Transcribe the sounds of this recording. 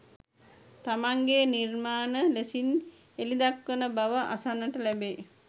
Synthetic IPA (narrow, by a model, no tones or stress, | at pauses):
t̪amaŋɡenirmaːnəlesin | elid̪akʋənəbaʋəʔasanːəʈəlæbeː